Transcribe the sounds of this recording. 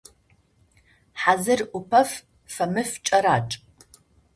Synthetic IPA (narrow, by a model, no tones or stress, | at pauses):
ħazɨrʔʷʊpʰɐf | fɐmɨft͡ʃʼɐɾaːʈ͡ʂʼ